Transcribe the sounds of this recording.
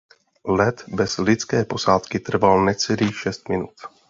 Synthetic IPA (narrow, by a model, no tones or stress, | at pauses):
lɛt̪bɛz̥lɪt͡skɛːpo̞saːt̪kɪt̪r̩valnɛt͡sɛliːxʃɛst̪mɪnut̪